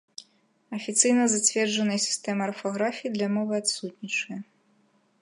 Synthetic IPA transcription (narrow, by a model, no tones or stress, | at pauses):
ɐfʲit̪sɨjnɐzat͡sʲvʲɛrd͡ʐɐnɨjɐsʲi̥st̪ɛmɐːrfɔɣɾafʲijːd̪lʲɐmɔvɨat̪sut̪ʲnʲit͡ʂɨjɐ